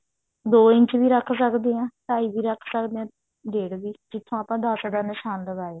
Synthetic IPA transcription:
d̪oːɪɲt͡ʃbiːɾəkʰsəkd̪eːãːʈaːiːbiːɾəkʰsəkd̪eːãː | ɖeːɽbiːd͡ʒɪt̪ʰːõːaːpãːd̪əsɖãːnɪʃaːnləɡaːeː

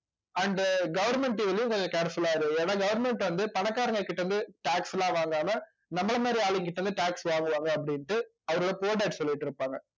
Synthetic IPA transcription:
ɐɳɖɡɐʋɐɾmɛɳʈeʋɛlːɐjʊ̃kɔɲd͡ʒɐkeːɽɐsɐlaːɪɾɯeːnnːãːɡɐʋɐɾmɛɳʈʋɐnd̪ɯpɐnɐkːaːɾɐŋɡɐkːɪʈːɐɾɯnd̪ɯʈaːksɛlãːʋaːŋɡaːmɐ | nɐmːɐɭɐmaːd̪ɾiaːlʋɪŋkɪʈːɐɾɯnd̪ɯʈaːksʋaːŋɡɯʋaːŋɡɐːp̬ːɐɽɪnʈːɯ | ɐʋɐɾɯɽɐpoːʈɐːʈsɔlːɪʈːɪɾɯpːaːŋɡɐ

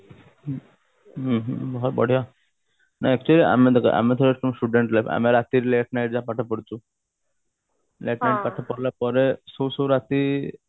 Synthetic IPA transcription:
ɦɦbɔɦɔt̪̚bɔ̰ɽ̤ʱija | naɛk̚t͡ʃuəliʔa̰med̪əka̰ʔa̰met̪ʰɔɾeʈɔmsʈuɖeɳʈlajfa̰meɾat̪iɾleʈnajʈ̚d͡zapaʈʰəpəɽt̪u | leʈnajʈ̚paʈʰəpɔɽlapɔɾesowsowɾat̪i

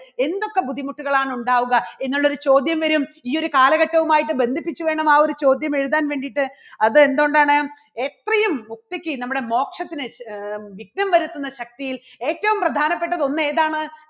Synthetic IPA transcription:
e̞nd̪o̞kːebud̪ʱːimuʈːuɣɐɭaːɳuɳɖaːʋuɣɐe̞nːuɭːo̞ɾut͡ɕo̞ːd̪jɐmʋɐɾumiːoɾukaːlɐɣɐʈːɐʋumaːjiʈːɨbe̞nd̪ʱipːit͡ɕːuʋe̞ːɳɐmaːo̞ɾut͡ɕo̞ːd̪jɐme̞ɻuðaːnʋe̞ːɳɖiʈːɨ | ɐðɨe̞nd̪oːɳɖaːɳɨ | et̪rɐjumːuk̚t̪ikʲːɨnɐmːuɽe̞mo̞ːkʂɐt̪ːinɨʋik̚nɐmʋɐɾut̪ːunːɐɕɐk̚t̪ijil | e̞ːtːɐʋumprɐd̪ʱaːnɐpːe̞ʈːɐðo̞nːɨe̞ːðaːɳɨ

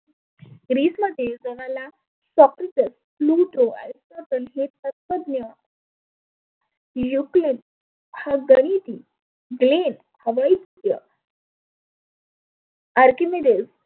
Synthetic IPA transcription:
ɡɾiːsməd̪ʱːjed͡zoɽ̃ala | sɔkɾiʈ̪əs | fluʈoa̰jsʈət̪əlɦet̪̚ət̪̚pəd̪njə | juklen | haɡəɽ̃it̪iː | ɡlen | həʋaitut̪jə̰ | aɾkimeɾes

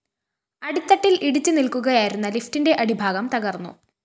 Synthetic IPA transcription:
ɐɽit̪ːɐʈːiliɽit͡ɕːɨnilkuɣɐjaːjiɾunːɐliftinde̞ʔɐɽibʱaːɡɐmt̪ɐɣɐrnːṵ

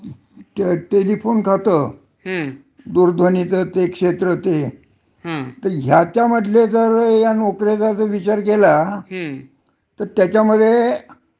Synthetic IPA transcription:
ʈeʈelifonkʰat̪ə | d̪uɾd̪ʱənit͡sət̪ekʂet̪ɾət̪e | t̪əɾɦjat̪jaməd̪ʱled͡zəɾjanokɾet͡sat͡səʋit͡ɕaɾkela | t̪əɾt̪jat͡ɕaməd̪ʱje

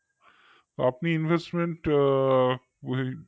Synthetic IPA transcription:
oapniɪnʋesʈmẽɳʈ

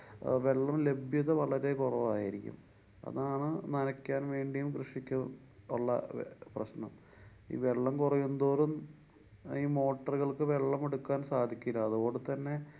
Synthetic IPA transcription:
ʋe̞ɭːɐmle̞bʱjɐðɐʋɐɭɐɾe̞kurɐʋaːjiɾikʲːṵm | ɐ̰ðaːɳɨnɐnɐkʲːaːnʋe̞ːɳɖijumkrɨʂikʲːu | uɭːɐ̰prɐ̰ɕnɐ̰m | ḭːʋe̞ɭːɐmkurɐjund̪oːɾum | iːmo̞ːʈːɐrɣɐɭkɨʋe̞ɭːɐmeɽukːaːnsaːd̪ʱikʲːilːɐɐðuɣo̞ːɳɖɨt̪ɐnːe̞

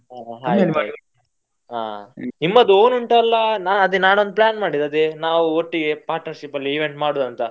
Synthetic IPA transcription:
aɦaːj | a̰ːnimːɐd̪uoːnuɳʈɐɐlːɐnaːɐd̪enaːnond̪uplaːnmaːɽid̪ɐd̪enaːʋuoʈːiɡe̞paːɾʈnɐɾʂipɐlːiːʋeɳʈmaːɽod̪ɐnt̪ɐ

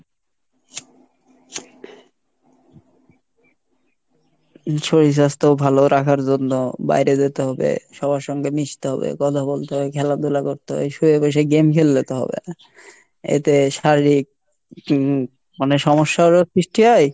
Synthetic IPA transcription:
ʃʰoɾiʃ̬ast̪obʱaloɾakʰaɾd͡ʑonːoba̰jɾed̪et̪eɦɔbḛʃɔbʱaɾʃɔŋɡemiʃt̪eɦɔbḛkɔt̪ʰabolt̪eɦɔbekʰɛlad̪ulakoɾt̪eɦɔ̰beʃuebeʃ̬eɡemkʰelːet̪eɦɔ̰bḛ | ḛt̪eʃaɾɾik̚ | maneʃɔmoʃːaoɾosɾiʃʈiɦɔj

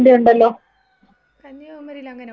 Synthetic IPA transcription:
ɳɖejuɳɖɐlːoː

